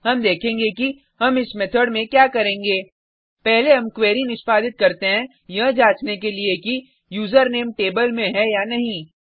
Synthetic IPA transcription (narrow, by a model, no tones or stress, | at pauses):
ɦɐmd̪eːkʰẽːŋɡeki | ɦɐmɪsmɛt̪ʰəɽmẽkjaːkɐɾẽːŋɡeː | pɛɦleɦɐmkweːɾinɪʃpaːd̪ɪt̪̚kɐɾt̪eɦɛ̃ | jɐɦd͡ʒaːt͡ʃnekelieki | juːzəɾneːmʈeːbəlmẽɦɛjanɐɦĩː